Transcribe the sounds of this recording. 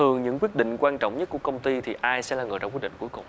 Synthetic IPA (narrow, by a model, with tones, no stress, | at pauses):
ɨ˨˩əŋɲɨ̰˧˥ŋkwi˦˥ət̚ɗḭ˧˨ŋ̟kwaː˧nt͡ɕɔ̰˧˨wŋ͡mɲə˦˥ku˧˩əkə˧wŋ͡mt̪i˧t̪ʰi˨˩ʔaː˧jsɛ̰˧˥laː˨˩ŋɨ̰ː˨˧˨ja̰ː˧˩kwi˦˥t̚ɗḭ˧˨ŋku˧˦jkʊ˨˩ŋ͡m